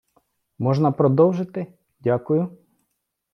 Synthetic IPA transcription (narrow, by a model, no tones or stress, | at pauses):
mɔʒnɐpɾɔd̪ɔwʒɪt̪ɪ | dʲakʊjʊ